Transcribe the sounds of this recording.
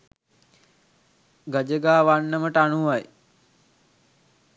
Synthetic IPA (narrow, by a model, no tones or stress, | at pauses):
ɡəd͡ʒəɡaːʋaɳːəməʈəaɳuʋaj